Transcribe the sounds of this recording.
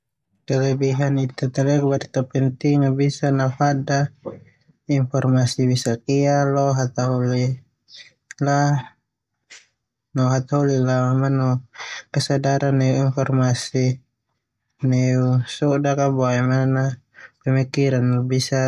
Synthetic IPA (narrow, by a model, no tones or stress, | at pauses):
kalɛbiɦanit̪at̪alɛkbaɾit̪apɛnt̪iŋnabisanafada | infɔrmasibisakialɔɦat̪aɦuli | la | nɔɦat̪aulilamanɔkasadaɾanːɛuinfɔrmasi | nɛusɔdakabɔɛmana | pɛmikiɾanabisa